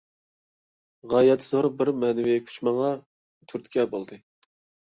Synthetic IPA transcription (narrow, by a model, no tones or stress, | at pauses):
ʁɑjɛt̪ʰːzoɾbɪɾmɛnɪvikʲʰy̥ʃmɑŋɑ | t̪ʰyɾt̪kʲʰɛbolˠd̪ɨ